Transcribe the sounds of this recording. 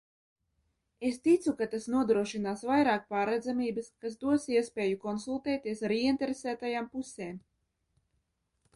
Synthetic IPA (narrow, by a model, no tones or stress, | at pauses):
est̪it̪sukat̪asnuɔd̪ɾuɔʃinaːsvajɾaːk̚paːɾɛd̪zamiːbɨskas̬d̪uɔsiɛspʲeːjukɔnsulˠt̪eːt̪iɛsaɾiɛnt̪eɾesæːt̪ajaːmpuseːm